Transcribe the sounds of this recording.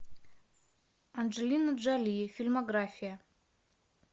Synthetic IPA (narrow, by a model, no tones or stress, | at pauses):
and͡ʒelʲinad͡ʒalʲifʲilmoɡrafʲija